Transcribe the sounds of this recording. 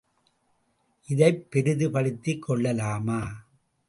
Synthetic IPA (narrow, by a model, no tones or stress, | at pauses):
ʔɪðɐɪpːɛɾɯðɯpɐɭɪt̪ːikʰːɔɭːɐlaːmaː